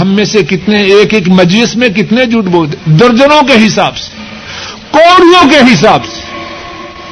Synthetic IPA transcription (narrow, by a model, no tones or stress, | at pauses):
ɦɐmːẽsekɪt̪neeːkeːkmɐd͡ʒlɪsmẽk̬ɪt̪ned͡ʒʊʈboːt̪ed̪ɐɾd͡ʒənõkeɦɪsaːbse̥ | koːɽijõkeɦɪs̬aːbse̥